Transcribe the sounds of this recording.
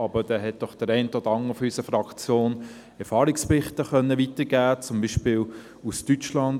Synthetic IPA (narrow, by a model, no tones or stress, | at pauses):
ɑbəd̥ɛːɦɛt̚d̥ɔχd̥əɾɛɪntɔdəɑŋəɾfɔysəfɾɑkt͡sjoːn | ɛɾfɑːɾikspɪχtəχœnːəʋitəɡ̥æːt͡sʊmbiːʃpɪːl | ustyt͡ʃlɑn